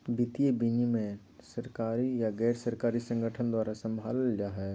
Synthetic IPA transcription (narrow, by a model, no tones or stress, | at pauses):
bɪt̪ijebinimẽ | səɾkaːɾijaɡɛːɾsəɾkaːɾisə̃ŋɡʱəʈʰənd̪waːɾasə̃mbʱaːld͡ʒaɦɛː